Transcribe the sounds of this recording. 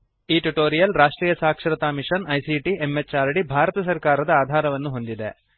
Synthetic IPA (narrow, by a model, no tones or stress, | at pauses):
iːʈuʈoːɾijɐlɾaːʂʈɾiːjɐsaːkʂɐɾɐt̪aːmiʂɐnɐjsiʈiemet͡ʃaːɾɽibʱaːɾɐt̪ɐs̬ɐɾkaːɾɐd̪ɐaːd̪ʱaːɾɐʋɐnːuɦond̪id̪e